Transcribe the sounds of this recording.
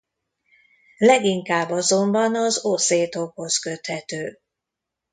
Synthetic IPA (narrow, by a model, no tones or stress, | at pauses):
lɛɡiŋkaːbːɒzo̞mbɒnɒzoːseːt̪o̞kho̞skø̞t̪hɛt̪øː